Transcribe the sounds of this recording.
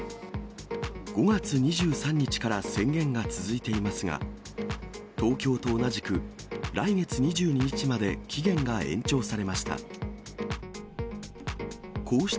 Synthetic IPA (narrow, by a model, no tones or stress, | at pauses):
ɡ̥o̞ɡat͡sɨɲ̟iʑɨːsãɲ̟ːit͡ɕi̥kaɾasẽ̞ŋɡẽ̞ŋɡat͡sɨzɨit̪e̞imasɨɡa̰ | t̪o̞ːkʲo̞ːt̪o̞ːnaʑikɯ̟ | ɾʔaiɡe̞t͡sɨɲ̟iʑɨːɲ̟iɲ̟it͡ɕimad̪e̞kʲiɡẽ̞ŋɡaẽ̞̰ɲ̟t͡ɕo̞ːsaɾe̞maɕi̥t̪a̰ | kʰo̞ːɕi̥